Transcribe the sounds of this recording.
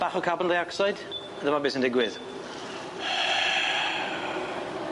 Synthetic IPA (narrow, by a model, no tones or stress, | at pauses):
b̥aχɔkʰabəndejaksajd | ədəmabɪsə̃ndɪɡwɪð̥